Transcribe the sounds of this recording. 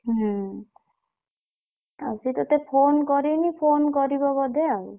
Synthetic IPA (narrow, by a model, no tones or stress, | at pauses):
ɦ̩ | a̰wsit̪ɔt̪ɛpʰonkɔɾinipʰonkɔɾibɔbɔd̪ʱɛau